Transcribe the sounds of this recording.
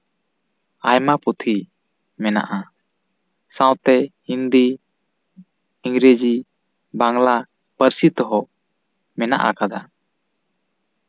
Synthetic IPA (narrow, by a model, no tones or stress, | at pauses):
ajmaput̪ʰi | mɛna̰ʔa | sãwt̪ɛ | ind̪i | ŋɾed͡ʒi | baŋla | pəɾsit̪ɔɦɔʔ | mɛna̰ʔa̰kad̪a